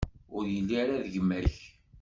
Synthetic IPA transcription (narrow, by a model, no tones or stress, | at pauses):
ʊɾjəlːiɾaðəʝəmːæç